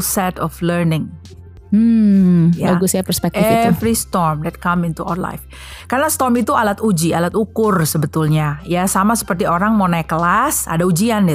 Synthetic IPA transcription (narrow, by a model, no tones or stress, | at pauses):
sɛt̪ɔflərnɪŋ | m̩jaaɡusɲapərspɛk̚ɪɛft̪vɾist̪ɔrmdɛt̚kamɪnt̪ua̰wla̰jf | karnast̪ɔrmit̪ualat̪ud͡ʒialat̪ukʊrsəbət̪ʊlɲajasamasə̥pərt̪ioɾaŋmonakəlasa̰daud͡ʒiandɛ